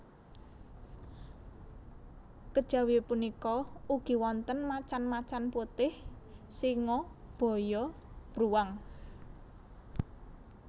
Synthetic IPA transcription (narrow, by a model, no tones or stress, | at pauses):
kəd̥ʒ̥a̤wipunikɔuɡ̥i̤wɔnt̪ənmat͡ʃanmat͡ʃanput̪ɪhsiŋɔb̥ɔ̤jɔ | b̥ɾuwaŋ